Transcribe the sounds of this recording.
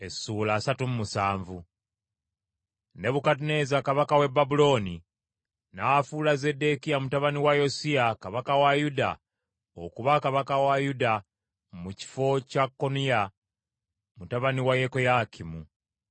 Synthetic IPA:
e̞sːuːlaːsatumumusaːɱvu | ne̞βukat̬une̞zakaβakawe̞bːabulo̞ːni | nafulaze̞de̞kijamutaβaniwajo̞siakaβakawajuda | o̰kuβakaβakawajuda | muci̥fo̞cakːo̞nija | mutaβaniwajekojakʰimu

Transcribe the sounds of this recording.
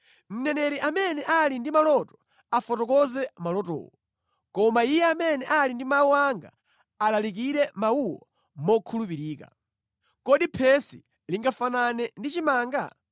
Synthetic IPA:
m̩nɛnɛɾiʔamɛnɛʔalindimalɔtɔ̥ | afɔtɔkɔzɛmalɔtɔ̰ːwɔ | kɔmaijɛamɛnɛʔalindimauaŋɡa̰ | alalik̬iɾɛmauwɔ | mɔkʰulupiɾiːka̰ | kɔɗipʰɛsi | liŋɡafananɛndit͡ʃimaːŋɡa̰

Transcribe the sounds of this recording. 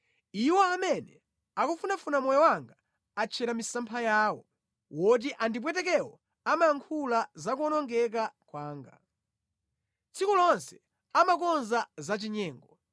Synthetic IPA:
iwɔamɛnɛ | akufunafunamɔjɔwaŋɡa | at͡ʃʰɛɾamisampʰajaːwɔ̰ | wɔt̬iʔandip̬wɛtɛk̬ɛwɔ | amajaŋkʰulazakuɔnɔŋɡɛk̬akwaːŋɡa̰ | t͡sʰikulɔnsɛ̥ | amakɔnzazat͡ʃiɲɛːŋɡɔ

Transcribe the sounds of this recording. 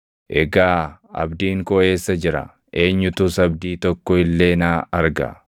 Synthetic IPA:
ʔɛɡaːɐ̰bd̪iːŋkɔe̞ːsːɐd͡ʒɪɾɐ̰ | ʔe̞ːɲːʊt̪ʊsɐbd̪iːt̪ɔkːɔɪlːe̞ːnaːɐɾɡɐ̰

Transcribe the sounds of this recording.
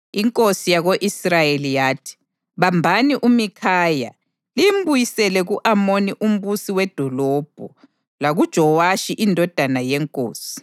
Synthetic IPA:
iŋkʼosijaɣoʔisrajelijaːtʰi̥ | βambʱaniʔumikʰaːja | limbujisɛlɛɣuʔamoniʔum̩βusiwɛd̥ʱɔlɔːb̥ʱɔ | laɣud̥ʒ̥ʱɔwaʃiʔindʱɔd̥ʱanajɛŋkʼo̰ːsi̥

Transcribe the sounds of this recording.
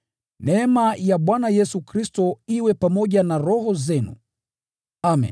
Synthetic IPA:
nɛɛmajaɓwanajɛsukɾistɔiwɛpamɔʄanaɾɔhɔzɛnṵ | amḭn

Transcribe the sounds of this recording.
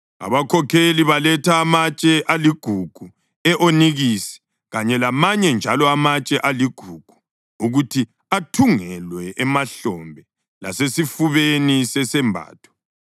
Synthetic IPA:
a̰βakʰɔkʰeliβalɛtʰaːmat͡ʃʼɛʔaliɡ̥ʱuɡ̥ʱu | ɛʔoniɣisɛ̥ | ɣaɲɛlamaɲɛnd͡ʒʱalɔamat͡ʃʼɛʔaliɡ̥ʱuɡ̥ʱu̥ | uɣutʰi | atʰuŋɛlwɛʔɛmaɬɔmbʱɛ | la̰sesifuβenisɛsɛmbʱa̰ːtʰɔ̥

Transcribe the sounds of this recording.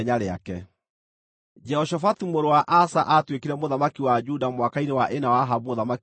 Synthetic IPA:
ɲaɾea̰kɛ | d͡ʒɛhɔʃafatumoɾowaʔasaʔatwekiɾɛmoðamakiwad͡ʒudamwakainewaʔenawaɦabumoðama

